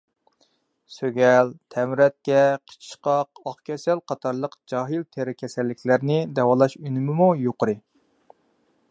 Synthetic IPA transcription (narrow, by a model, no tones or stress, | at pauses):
søɡʲɛlt̪ʰɛmɾɛt̪̚kʲɛqʰə̥t͡ʃʰi̥ʃqɑqɑχkʲʰɛsælqʰɑt̪ʰɑɾlˠəqd͡ʒɑɦɨlt̪ʰeɾɪkʲʰɛsɛlːɪkʲʰlæɾnɪd̪ɛwɑlˠɑʃynɪmɪmujoqʰəɾɨ